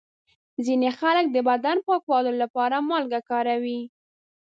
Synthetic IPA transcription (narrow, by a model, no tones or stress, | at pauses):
zinexalək̚d̪əbad̪anpɑkwɑlolapɑɾamɑlɡakɑɾawi